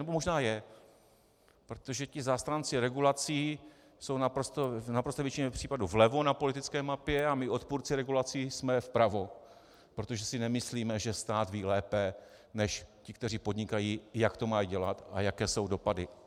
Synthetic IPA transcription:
nɛbomo̞ʒnaːjɛ | pɾo̞t̪oʒɛcɪzaːst̪ɾaːnt͡sɪɾɛɡulat͡siː | so̞wnapɾost̪onapɾost̪ɛvjɛt͡ʃɪɲɛpr̝̥iːpaduvlɛvonapo̞lɪt̪ɪt͡skɛːmapjɛamɪo̞t̪puːɾt͡sɪɾɛɡulat͡siːsmɛfpɾavo̞ | pɾo̞t̪oʒɛsɪnɛmɪsliːmɛʒɛst̪aːt̪viːlɛːpɛ | nɛʃcɪkt̪ɛr̝iːpo̞d̪ɲɪkajiːjakt̪o̞majiɟɛlat̪a̰jakɛːso̞wdo̞padɪ

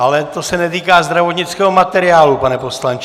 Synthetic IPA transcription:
ʔalɛt̪o̞sɛnɛt̪iːkaːzd̪ɾavot̪ɲɪt͡skɛːɦomat̪ɛɾɪaːlupanɛpo̞slant͡ʃ

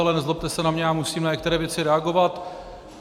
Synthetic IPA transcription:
alɛnɛzlop̚t̪ɛsɛnamɲɛamusiːmnaɲɛkt̪ɛɾɛːvjɛt͡sɪɾɛaɡo̞vat̪

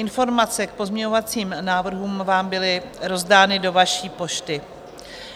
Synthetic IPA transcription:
ʔɪnfo̞ɾmat͡sɛk̚po̞zmɲɛɲo̞vat͡siːmnaːvr̩ɦuːmvaːmbɪlɪ | ɾo̞zdaːnɪdo̞vaʃiːpo̞ʃt̪ɪ

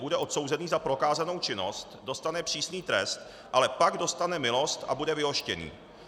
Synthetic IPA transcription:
budɛʔo̞t̪so̞wzɛniːzapɾo̞kaːzano̞wt͡ʃɪno̞st̪do̞st̪anɛpr̥iːsniːt̪ɾɛst̪ | ʔalɛpaɡdo̞st̪anɛmɪlo̞st̪ʔa̰budɛvɪɦo̞ʃcɛnḭː

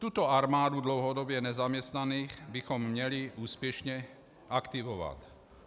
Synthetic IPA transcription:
t̪uːt̪ɔaɾmaːd̪ud̪lɔʊɦɔd̪ɔbjɛɲɛzamɪɛst̪naniːɣbixɔmːɲɛliuːspjɛʃɲɛ | akt̪iʋɔʋa̰c

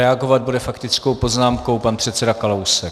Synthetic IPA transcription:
ɛaɡo̞vad̪̚budɛfakt̪ɪt͡sko̞wpo̞znaːmko̞wpanpr̥ɛt̪t͡sɛdakalowsɛ

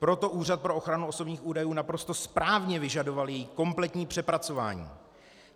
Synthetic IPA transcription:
pɾo̞t̪o̞ʔuːr̝at̪̚pɾo̞ʔo̞xɾanuoso̞bɲiːxuːdajuːnapɾo̞st̪o̞spɾaːvɲɛvɪʒado̞valjɛjiko̞mplɛt̪ɲiːpr̥ɛpɾat͡so̞va̰ːɲḭː

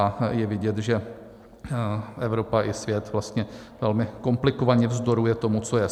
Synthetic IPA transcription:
ajɛvɪɟɛt̪ʒɛ | ʔɛvɾo̞paʔɪsvjɛt̪vlast̪ɲɛ | vɛlmɪko̞mplɪkovaɲɛvzd̪o̞ɾujɛt̪o̞mut͡so̞jɛ

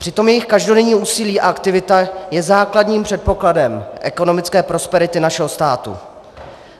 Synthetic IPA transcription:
pr̝̥ɪt̪o̞mjɛjɪxkaʒdo̞dɛɲiːʔuːsɪliːʔa̰ʔakt̪ɪvɪt̪ajɛzaːkladɲiːmpr̝̥ɛt̪̚po̞kladɛmʔɛ̰ko̞no̞mɪt͡skɛːpɾo̞spɛɾɪt̪ɪnaʃɛɦo̞st̪aːt̪ṵ

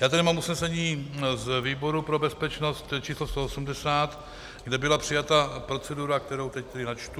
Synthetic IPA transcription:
jaːt̪ɛdɪmaːmusnɛsɛɲiːzviːbo̞ɾupɾo̞bɛspɛt͡ʃno̞st̪t͡ʃiːslost̪o̞osumdɛsaːt̪ | ɡdɛbɪlapr̝̥ɪjat̪apɾo̞t͡sɛduɾak̚t̪ɛɾo̞wt̪ɛct̪ɛdɪnat͡ʃt̪u

